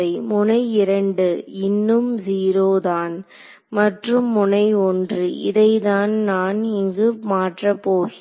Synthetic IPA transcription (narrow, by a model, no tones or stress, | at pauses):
ɐɪmʊnɐɪɪɾɐɳɖɯɪnːɯmziːɾoːðaːn | mɐʈrɯmːʊnɐɪɔndrɯʔɪðɐɪðaːnnaːnɪŋɡɯmaːʈrɐpːoːɣɪ